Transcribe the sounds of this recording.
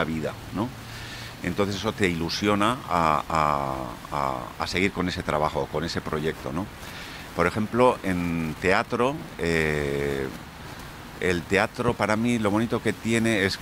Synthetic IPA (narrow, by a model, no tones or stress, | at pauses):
aβiða̰ | no̞ | ent̪onθesesot̪e̞ilusjo̞naaa | a̰a̰se̞ɣ̞iɾko̞ne̞se̞t̪ɾa̰βaxo̞ko̞ne̞se̞pɾo̞ʝe̞k̚t̪o̞̰no̞ | po̞ɾe̞xe̞mplo̞ʔe̞nt̪e̞at̪ɾo̞e | elt̪e̞at̪ɾopaɾamilo̞β̞o̞nit̪o̞ke̞t̪je̞ne̞es